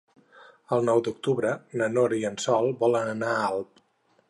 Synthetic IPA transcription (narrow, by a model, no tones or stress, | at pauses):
əlˠnɔwd̪uk̚t̪uβɾənənoɾiənsɔlˠbɔlənənaalˠp̚